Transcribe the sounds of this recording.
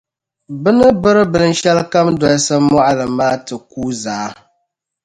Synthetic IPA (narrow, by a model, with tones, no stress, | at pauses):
bɨ˦nɨ˦bɨ˦ɾɨ˦bɨ˨n̩˦ʃɛ˦lka˦mdɔ˨lsɨ˦mɔ˦ʔa˦lɨ˨maː˦tɨ˨kuː˦zaː˨˦